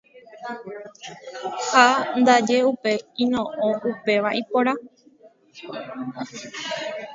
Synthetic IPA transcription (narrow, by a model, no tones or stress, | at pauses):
hand̪ad͡ʒe̞upe̞ĩnõ̞ʔõʔupe̞ʋaʔipoɾa